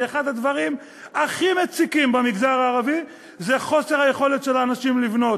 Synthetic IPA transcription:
eχad̪had̪vaʁim | aχimet͡sikimbamiɡzaʁaːʁavi | zeχo̞se̞ʁhaje̞χo̞let̪ʃe̞laːnaʃimlivno̞t

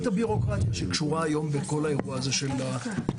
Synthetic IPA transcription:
tabiʁo̞kʁat̪jaʃekʃuʁaːjo̞mbeko̞lae̞ʁuaːzo̞ʃe̞la

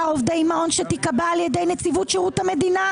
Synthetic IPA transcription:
aovd̪ejmao̞nʃet̪ikabaːljede̞jnet͡sivutʃeʁut̪hame̞d̪ina

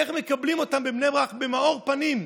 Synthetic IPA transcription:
eχmekablimo̞t̪ambebnebʁaχbemao̞ʁpanim

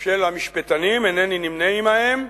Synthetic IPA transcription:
ʃelamiʃpet̪animeneninimneimaem

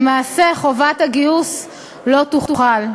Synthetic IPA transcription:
maːse̞χovataɡius | lo̞tuχtuχal

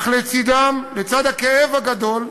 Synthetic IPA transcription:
χlet͡sid̪amlet͡sad̪akeevaɡad̪o̞l

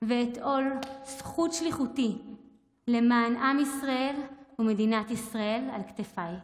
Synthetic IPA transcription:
veːto̞lsχutʃliχuti | le̞maːnʔamisʁae̞lume̞dinat̪isʁae̞lalktefaj

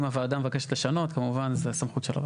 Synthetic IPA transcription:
maveaːd̪amevakeʃet̪leʃano̞t̪kamuvanzesamχut̪ʃela̰v

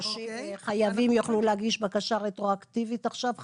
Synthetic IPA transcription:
ʃχajavimjoχluleaɡiʃbakaʃaʁetʁoakt̪ivitaχʃav

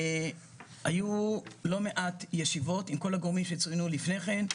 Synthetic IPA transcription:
hajulo̞me̞ʔatjeʃivo̞timko̞laɡoʁmimʃet͡sujnulifne̞χe̞n

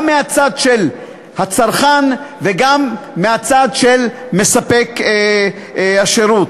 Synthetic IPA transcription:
mːeat͡sad̪ʃel | hat͡saʁχanveɡamːeat͡sad̪ʃel | me̞sapek | aʃeɾut

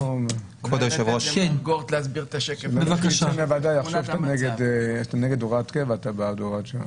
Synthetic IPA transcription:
om | kodjoʃevʁoʃɡoʁt̪leazbiʁet̪aʃekelbevakaʃamevad̪ajaχʃovt̪aneɡed̪t̪aneɡed̪oʁat̪kevat̪abad̪oʁat̪ʃa

